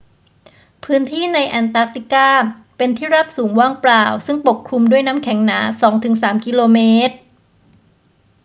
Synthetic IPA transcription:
pʰɯː˦˥nt̪ʰiː˥˩na˧jʔɛː˧nt̪aː˦˥k̚t̪i˨˩kaː˥˩ | pe˧nt̪ʰiː˥˩ɾa˦˥˩p̚suː˩˦ŋwaː˥˩ŋplaː˧˩wsɯ˥˩ŋpo˨˩p̚kʰɾu˧mdu˥˩əjnaː˦˥mkʰɛ˩˦ŋnaː˩˦sɔː˩˦ŋt̪ʰɯ˩˦ŋsaː˩˦mki˧loː˧meː˦˥t̪̚

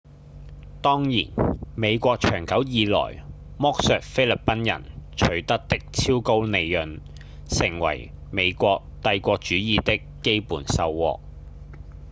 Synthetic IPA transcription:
t̪ɔː˥ŋjiː˨˩nme˨˧jkʷɔː˧k̚t͡ʃʰœː˨˩ŋkɐ˨˥wjiː˨˧lɔ̰ː˨˩j | mɔː˥k̚sœː˨˧k̚fe˥jlɐ˨˩pːɐ˥njɐ̰˨˩nt͡ʃʰɵ˨˩ɥt̪ɐ˥k̚t̪ɪ˥k̚t͡sʰiː˥wko˥wne˨˧jjɵ˨n | sɪ˨˩ŋwɐ̰˨˩jme˨˧jkʷɔː˧k̚t̪ɐ˧jkʷɔː˧k̚t͡ʃyː˨˥jiː˨t̪ɪ˥kːe˥jpuː˨˩nsɐ˧wːɔ̰ː˧k̚

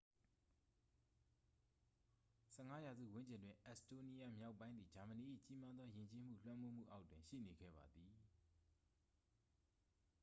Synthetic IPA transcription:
sɛ˦˨ŋa˦ja˨zṵ˦˨wʊ̃˦ɲd͡ʑɪ̃˨ndwɪ̃˨ʔɛ˦˨sto˦ni˦ja˦˨mja˦ʊpːã˦ɪ̃nd̪ði˨d͡ʑa˨mə˨ni˨ʔḭ˦˨t͡ɕi˦ma˦d̪ðɔ˦jɪ̃˨ɲt͡ɕe˦m̥ṵ˦˨l̥wã˦mo˦m̥ṵ˦˨ʔa˦ʊtwɪ̃˨ʃḭ˦˨ne˨ɡɛ̰˦˨ba˨d̪ði˨

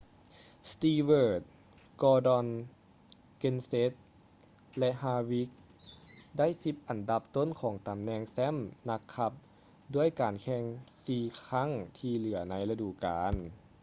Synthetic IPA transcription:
st̪iː˧wɤː˧˩t̪̚ | kɔː˧dɔ˧n | ke˧nse˧˦˥t̪̚ | lɛ˧ʔhaː˧wi˦˥k̚ | da˥˩˨jsi˧˥p̚ʔa˨˩nda˧˦p̚t̪o˥˨nkʰɔː˩˦ŋt̪a˨mnɛː˧ŋsɛ˧˥˨mna˧kʰːa˧˥p̚ | du˥˩əjkaː˨˩nkʰɛ˧ŋsiː˧kʰa˧˥˨ŋt̪ʰiː˧lɯ˩˦ɐna˧˥jla˧duː˧˩kaː˨˦n

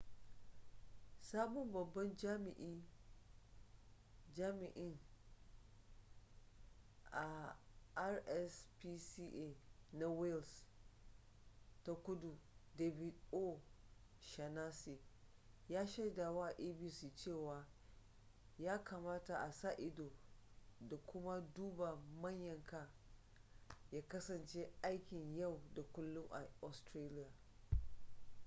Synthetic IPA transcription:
saː˦ɓɔ˦mbɐ˨bːɐ˦nd͡ʒa˦mɪ˨ʔi˦ | d͡ʒaː˦mɪ˨ʔɪ˦n | ʔa˨ʔa˦ɾʔɛ˦spi˦si˦ʔe˦˨na˦wɛ˦ls | ta˨kʷʊ˦du˨de˨bi˨do˦ | ʃa˨naː˦si˨jaː˦ʃa˦jdaː˨wa˦ʔa˨ʔiː˦bi˦siː˨t͡ʃeː˦˨waː˨ | jaː˦ka˨maː˦ta˨ʔa˨saː˦ʔɪ˦doː˨ | da˨kʷʊ˦ma˦duː˦ba˨mɐ˦ɲjɐ˨ŋkaː˦ | jaː˦kɐ˦sɐ˨nt͡ʃe˦ʔa˦jkʲɪ˨ɲjɐ˦˨wda˨kʷʊ˦lːʊ˦ŋʔa̰˨ɔ˨stɾeː˦lɪ˦jaː˨

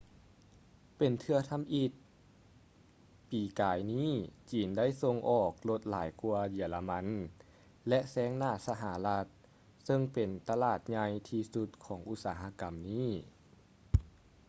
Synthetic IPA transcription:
pe˨˩nt̪ʰɯ˧ɐt̪ʰa˧˥˨mʔi˧˩t̪̚ | piː˨˩kaː˨˩jniː˥˩t͡ɕiː˨˩nda˥˨jso˧ŋʔɔː˨˩k̚lo˧˥t̪̚la̰ː˩˦jku˧ɐji˨˩˦la˧ma˧˥n | lɛ˧˥ʔsɛː˧˦˥ŋnaː˧˩sa˧ɦa˩˦la˧˥t̪̚ | sɤ˧ŋpe˨˩nt̪a˧laː˧˩t̪̚ɲa˧jt̪ʰiː˧su˧˥t̪̚kʰɔː˩˦ŋʔu˧˥t̪̚saː˩˦ɦa˧˥ka˨˩mniː˥˩˨

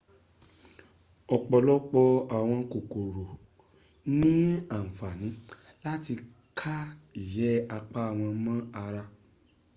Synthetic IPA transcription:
ɔ˨k͡pɔ˨lɔ˦k͡pɔ˧a˨w̃ɔ̃˧ko˨ko˨ɾo˨ | nĩ˦a˦˨fa˨nĩ˨˦la˦ti˧ | kʰa˦i˨jɛ˨˦a˧k͡pa˦a˦˨w̃ɔ̃˧mã˦a˧ɾa˧

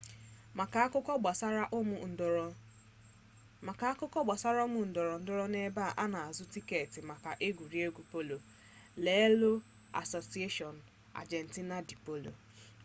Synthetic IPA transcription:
a˨ka˨˦kʊ˦kɔ˦ɡ͡ba˨sa˦ɾa˦ʔʊ˦m̩˨ | ka˨˦a˦kʊ˦kɔ˦ɡ͡ba˨sa˦ɾa˦o˦mʊ˨n̩˨dɔ˨ɾɔ˨n̩˦dʊ˦ɾɔ˦ne˦ba˦˨ʔa˦na˨a˨zʊ˦ti˦ke˨tɪ˨ma˨ka˨ʔe˦ɡʷu˨ɾi˦e˦ɡʷu˨po˦lo˨ | le˨e˦lo˦ | a̰˨so˨si˦e˦ʃɔ˨n̩˨ | a̰˨d͡ʒe˨n̩˨ti˦na˦di˨po˦lo̰˨

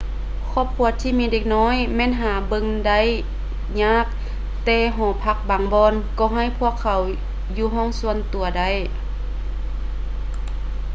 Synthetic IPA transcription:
kʰɔː˧˥˩p̚kʰu˧˩˦t̪ʰːiː˧˨miː˧˥deː˧˩k̚nɔː˧˥˨jmɛː˧˥˨nɦaː˨˩bɤ˧ŋda˧˩˨j | ɲaː˧˥˩k̚ | t̪ɛː˧ɦɔː˨˩pʰa˧˩k̚baː˨˦ŋbɔː˧˨nkɔː˧˩ɦa˧˩jpʰu˧˥˨əkʰːa˨˦w | juː˧˦ɦɔː˧˥˨ŋsu˧˨ənt̪u˨ɐda˧˩˨j

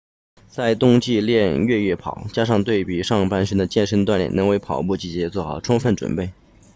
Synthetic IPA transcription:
t͡sa˥˧ɪt̪ʊ˥˧ŋt͡ɕi˥˧ljɛ˥˧nɥɛ˥˧ɥɛ˥˩pʰɑ̰˨˩˦ʊt͡ɕja˥ʂ̬ɑ˥˧ŋt̪we˥˩ɪpi˨˩ʂɑ˥˧ŋpa˥˧nʂə˥nd̪ə˨t͡ɕjɛ˥˩nʂə˥nt̪wa˥˧nljɛ̰˥˩nɤ˧˥ŋwe˥˩ɪpʰɑ˨˩ʊpu˥˩t͡ɕi˥˩t͡ɕjɛ˧˥t͡swɔ˥˩xɑ̰˨˩ʊʈ͡ʂʰʊ˥ŋfə˥˩nʈ͡ʂwə̰˨˩npe˥˩ɪ

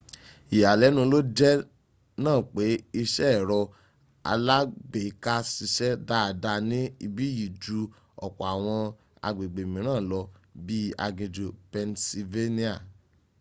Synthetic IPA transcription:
i˨ja˨lɛ˨˦nũ˧˦lo˦d͡ʒɛ˦ | nãː˦˨k͡pe˨˦i˧ʃɛ˦ɛ˦˨ɾɔ˧ | a̰˧la˦ɡ͡be˨ka˦si˧ʃɛ˦da˦˧˨da˧nĩ˦i˧bi˦ji˨d͡ʒu˨˦ | ɔ̰˨k͡pɔ˨a˨w̃ɔ̃˧ | a̰˧ɡ͡be˨ɡ͡be˨mĩ˨ɾ̃ãː˦˨lɔ˧bi˦a̰˧ɡĩ˨d͡ʒo˨pɛ˧nsi˧ve˦nĩ˦a˦˨

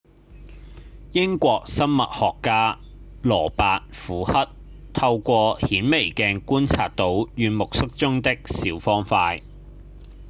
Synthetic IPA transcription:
jɪ˥ŋkʷɔː˧k̚sɐ˥mmɐ̰˨t̚hɔː˨kːaː˥ | lɔː˨˩paː˨t̚fuː˨˥hɐ˥t̚ | t̪ʰɐ˧wkʷɔː˧hiː˨˥nme˨˩jkɛː˧nkuː˥nt͡sʰaː˨t̚t̪ːo˨˥wjyː˨˧nmʊ˨k̚sɪ˥k̚t͡sʊ˥ŋt̪ɪ˥k̚siː˨˥wfɔː˥ŋfaː˧j

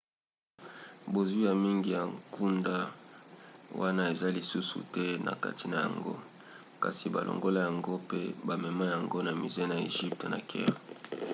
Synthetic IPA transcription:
bo˨zwi˦ja˨mi˦ŋɡi˨ja˨ŋku˦nda˦ | wʔa˦na˦e˨za˦li˨su˦sṵ˨tɛ˦na̰˨ka̰˦tʰi˨na˨ja̰˨ŋɡo̰˦ | ka̰˨si˨ba̰˨lʔo̰˨ŋɡo˦la˦ja˨ŋɡo˦pe˦ba˨mɛ˨ma˦ja˨ŋɡo˦na˨mi˨ze˦na˨ḛ˨ʒi˦p̚te˨na̰˨kʰɛ̰˦ʁ

